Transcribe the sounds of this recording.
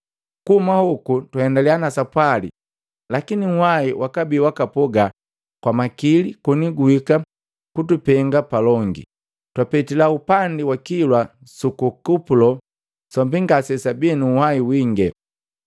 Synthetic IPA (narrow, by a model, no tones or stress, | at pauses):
kuhumahukutwahɛndalianasapwalḭ | lakinihaiwʔakabiwakapɔɡa | kwamakilikuniɡuika | kutupɛŋɡapalɔŋɡḭ | twapɛtilaupandiwakilwa | sukukupulɔ | sɔmbiŋɡasɛsabinuhaiwiŋɡɛ